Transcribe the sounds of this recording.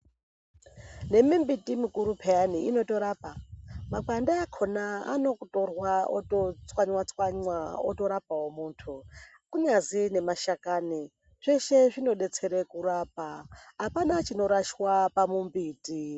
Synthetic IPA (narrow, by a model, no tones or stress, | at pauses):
ne̞mimbitimikuɾupʰeaniino̞to̞ɾaːpamakandaakʰonaa̰no̞kutorwaotot͡swaɲwat͡swaɲwaoto̞ɾap̚awomuːntʰu | kuɲazine̞maʃakaːni | ʐ̥eʃeʐino̞ɗe̞t͡se̞ɾekuɾaːp̚aɦapanat͡ʃino̞ɾaʃwapamumbiːti